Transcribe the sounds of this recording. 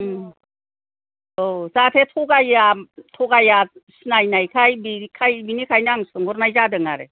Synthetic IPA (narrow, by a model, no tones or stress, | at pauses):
ozatʰetʰɔɡajatʰɔɡajasinajnajkʰajbikʰajbinikʰajnaŋsɯŋɡɔɾnajzadɯŋaɾḛ